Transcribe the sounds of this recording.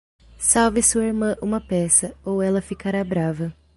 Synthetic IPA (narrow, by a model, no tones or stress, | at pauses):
sawvɪsuɐiɾmɐ̃ʔũmɐpɛsɐowɛlɐfikaɾabɾavɐ